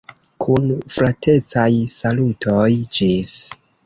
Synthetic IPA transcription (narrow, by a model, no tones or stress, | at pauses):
kʰunfɾatʰe̞t͡sajsalutʰojd͡ʒis